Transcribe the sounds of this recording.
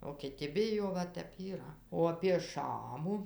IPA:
oː kʲɪˈtʲɪ ˈbʲɪjoː ˈʋɐ ˈtʲɛp iːˈrɐ oː ɐpʲiɛ ˈʃɑːmʊ

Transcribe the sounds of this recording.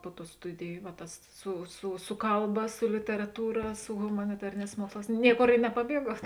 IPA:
ˈpʊ ˌtuː ˈstʊdʲɪjʊ ʋɐ ˈtɐs sʊ sʊ ˈsʊ kɐlˠˌbɐ sʊ lʲɪtʲɛrɐˈtuːrɐ sʊ ɣʊmɐnʲɪˈtɑːrʲeːˌnʲɛːs ˈmuɔksˌlˠɑːs ˈnʲiɛˌkoːr ɪ nʲɛpɐˈbʲiɛɡuɔt

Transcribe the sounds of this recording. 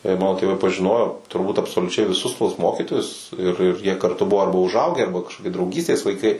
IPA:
ɪr ˈmɑːnoː tʲeːˈʋɐɪ pɐʒʲɪˈnoːjoː tʊrˈbuːt ɐpsoːlʲʊˈt͡ʃʲɛɪ ʋʲɪˈsʊs tuɔs ˈmoːkʲiːtoːjʊs ɪr ɪr jiɛ kɐrˈtʊ ˈbʊʋoː ˈɐrbɐ ʊʒˈɐʊɡʲæː ˈɐrbɐ kɐʃkoːˈkʲɪ drɐʊˈɡʲiːsʲtʲeːs lˠɐɪˈkɐɪ

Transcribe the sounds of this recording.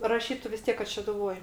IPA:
rɐˈʃʲiːtʊ ʋʲɪs ˈtʲiɛk kɐt ʃʲɛdʊˈʋoːj

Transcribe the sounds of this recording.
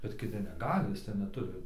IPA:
bʲɛt kʲɪˈtʲɪ nʲɛˈɡɑːlʲɪ ɪˈsɐɪ nʲɛˈtʊrʲɪ

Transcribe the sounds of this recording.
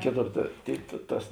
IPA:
ˈkʲeːˌtoːr tɐ ˈtʲeːɪ tɐ ˈtɐs

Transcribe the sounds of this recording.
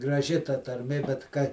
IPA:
ɡrɐˈʒʲɪ tɐ tɐrʲˈmʲeː bʲɛt ˈkɐ

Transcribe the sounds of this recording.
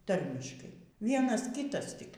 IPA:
ˈtɐrʲmʲɪʃkɐɪ ˈʋʲiɛnɐs ˈkʲiːtɐs tʲɪk

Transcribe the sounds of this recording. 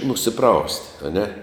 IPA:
nʊsʲɪˈprɐʊsʲtʲ ɐˈnʲɛ

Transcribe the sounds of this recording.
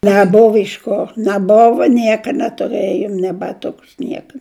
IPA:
nʲæˈboːʋɐ ɪʃ ˈkoː nʲæˈboːʋɐ ˈnʲiɛkɐ nʲɛtʊˈrɘjoːm nʲeː bɐˈtʊkʊs ˈnʲiɛkɐ

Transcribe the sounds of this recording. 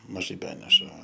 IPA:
mɐˈʒɐɪ ˈbʲæːnʲɛʃɐ

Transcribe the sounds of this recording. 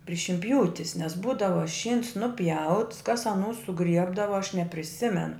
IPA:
pʲrʲɪ ʃʲɪnʲˈpʲjuːtʲɪs nʲɛs ˈbuːdɐʋɐ ˈʃʲiːns nʊˈpʲjɛʊts kɐs ɐˈnuː sʊˈɡrʲiɛbdɐʋɐ ɐʃ nʲɛpʲrʲɪˈsʲɪmʲɛn

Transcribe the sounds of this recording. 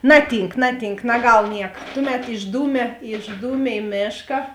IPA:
ˈnɑːˌtʲiːŋk ˈnɑːˌtʲiːŋk nɐˈɡɐlˠ ˈnʲiɛkɐ ˈtʊˌmʲɛt ɪʒˈduːmʲeː ɪʒˈduːmʲɛ ɪ ˈmʲeːʃkɐ

